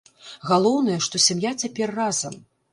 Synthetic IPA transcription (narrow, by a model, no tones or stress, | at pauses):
ɣalˠɔwn̪ɐjɐʂt̪ɔsʲamjat͡sʲapʲɛrːazɐm